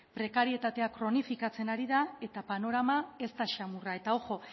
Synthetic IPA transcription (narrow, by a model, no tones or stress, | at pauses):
pɾe̞kaɾie̞t̪at̪e̞akɾo̞nifikat͡se̞naɾiðae̞t̪apano̞ɾamae̞st̪aʃamurae̞t̪ao̞ʝo̞